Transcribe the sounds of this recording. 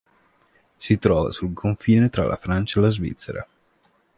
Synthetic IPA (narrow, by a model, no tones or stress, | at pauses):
sit̪ɾɔːva̰sulkʰoɱfiːnet̪ɾa̰lʔa̰fɾant͡ʃaelazvḭt̪sːeɾʔa̰